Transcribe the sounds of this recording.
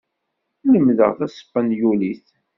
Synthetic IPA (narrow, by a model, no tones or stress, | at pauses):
ləmːðə̰ʁθæsə̥pːænjuliθ